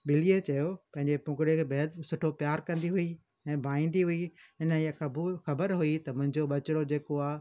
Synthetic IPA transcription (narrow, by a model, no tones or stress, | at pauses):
ɓɪliet͡ɕɐjopɐ̃ɦɪɲd͡ʑepʊ̃kɪɽekʰeːbɐɦəd̪sʊʈʰopjaːɾkɐ̃nd̪iɦʊi | ɛ̃ːbʱãːĩːnd̪iɦʊiɪniəɐbxɐbəɾɦʊit̪ɐmʊ̃ɦɪ̃ɲd͡ʑoɓɐt͡ɕɪɽod͡ʑeːkoaː